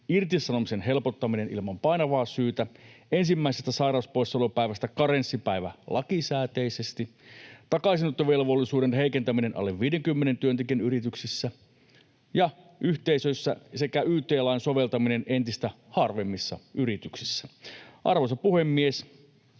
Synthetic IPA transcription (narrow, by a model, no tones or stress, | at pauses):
irt̪isɑnomisenɦe̞lpot̪ːɑminenḭlmɑmpɑinɑʋɑːsyːt̪æensimːæisest̪æsɑjrɑˑuspoisːɑlopæiʋæst̪ækɑɾensːipæiʋæ̰lɑkisæːt̪eisest̪it̪ɑkɑisinot̪ːoʋelʋo̞lːisuːdenɦeikent̪æminenʔɑ̰lːeʋʋiːdeŋkymːenent̪yønt̪ekienyɾit̪yksisːæ | jɑ | ʔyht̪eisøisːæ̰sekæyːt̪eːlɑijnsoʋe̞lt̪ɑminenent̪ist̪æ | hɑrʋemːisːɑ̰yrit̪yksisːæʔɑ̰rʋosɑpuhe̞mːies